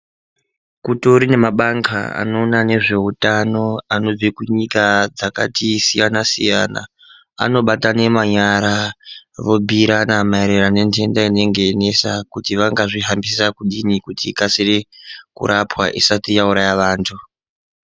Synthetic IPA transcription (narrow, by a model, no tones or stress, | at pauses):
kutoɾine̞maɓaŋkʰa̰a̰no̞ːnane̞ʐe̞utano̞ano̞d͡zikuɲikad͡zaka̰tisijanasḭja̰na̰ | a̰no̞ɓatane̞maɲaɾaʋo̞bʱiɾanamaeɾeɾane̞ntʰe̞ndaine̞ŋɡe̞ːne̞sakutiʋaŋɡaʐiɦambisisakuɗinikutiːkasirekṵɾʔapwa̰ʔisatijauɾajaʋaːntʰu